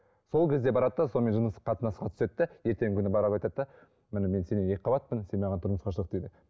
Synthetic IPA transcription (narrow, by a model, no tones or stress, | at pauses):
so̞lˠkʲʰe̞zd̪e̞bɑɾɑd̪əd̪ɑso̞lme̞ʒənəsqʰːɑt̪ənɑsʁɑt̪ʰʏ̥se̞t̪ːɪje̞ɾt̪e̞ŋʲɪkʲʰʏnɪbɑɾɑlɑjt̪ɑt̪d̪ɑ | mɪnɪme̞nse̞neeqʰːɑbɑt̪̚pənse̞nmɑʁɑnt̪ʰʊɾnəsqɑʃ̬əlˠəqd̪ejd̪ɪ